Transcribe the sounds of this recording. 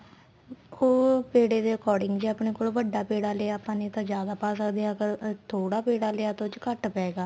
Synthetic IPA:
oːpeːɽeːd̪eːəkɔːɾɖɪŋɡd͡ʒaːpɳeːkoːlʋəɖːaːpeːɽaːleaːpãːniːt̪ãːd͡ʒjaːd̪aːpaːsəkd̪eːakəɾt̪ʰoːɽaːpeːɽaːleːaːt̪õt͡ʃkəʈpɛːɡaː

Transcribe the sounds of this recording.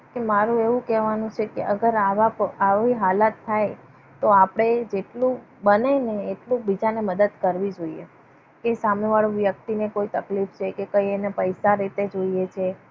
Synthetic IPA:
kemaɾũeʋũkɛʋanũt͡ʃʰekeʔəɡəɾaʋapaʋiɦalat̪ʰːaj | t̪oapɽ̃ed͡ʒeʈlũ | bəneneːʈlũbid͡ʒaneməd̪əd̪kəɾʋid͡ʒoiḛ | kesameʋaɭũʋjək̚t̪inekoit̪əklift͡ʃʰekekəienepəjsaɾit̪ed͡ʒoijet͡ʃʰe

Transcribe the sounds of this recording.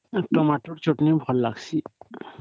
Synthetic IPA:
ʈɔmaʈoɾt͡ʃoʈnimbʱɔlːaɡsʰi

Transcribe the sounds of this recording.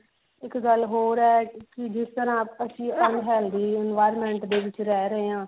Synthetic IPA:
ɪkɡəlɦoːɾɛːkɪd͡ʒɪst̪əɾãːəsĩːənɦɛːld̪iːɪnʋaːɪɾmɛ̃ːɳʈd̪eːʋɪt͡ʃɾɛːɾəɦeːãː

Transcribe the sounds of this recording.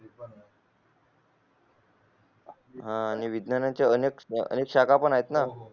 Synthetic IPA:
ɦãːñiʋid̪nanjãt͡ɕjaənekə̰nekɕakʰapəɳaɦet̪na

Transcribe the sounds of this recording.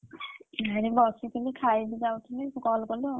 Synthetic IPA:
aɹibɔsikʰinikʰajbizawkʰinikɔlkɔlʊ

